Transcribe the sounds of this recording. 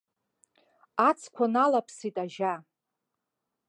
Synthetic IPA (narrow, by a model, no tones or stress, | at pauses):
at͡sʰkʷʰanalapʰsitʼaʒa